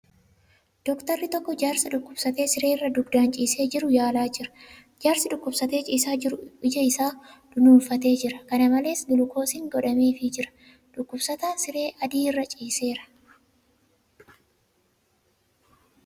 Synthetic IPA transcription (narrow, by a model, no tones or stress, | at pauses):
d̪̥ɔkt̪ɐɾːɪt̪ɔkːɔd͡ʒaːɾsɐᶑʊkːʊbsɐt̪e̞ːsɪɾe̞ːrːɐd̪ʊɡd̪aːnt͡ʃʼiːse̞ːd͡ʒɪɾʊjaːlaːd͡ʒɪɾɐ̥ | d͡ʒaːɾsɪᶑʊkːʊbsɐt̪e̞ːt͡ʃʼiːsaːɪʊɪd͡ʒɐɪsaːd̪̥ʊnuːnfɐt̪e̞ːd͡ʒɪɾɐkɐnɐmɐle̞ːsɡɪlʊkʰo̞ːsɪŋɡɔᶑɐme̞ːfɪd͡ʒɪɾɐ̥ | ᶑʊkːʊbsɐt̪aːnsɪɾe̞ːʔɐd̪iːɪrːɐt͡ʃʼiːse̞ːɾɐ̥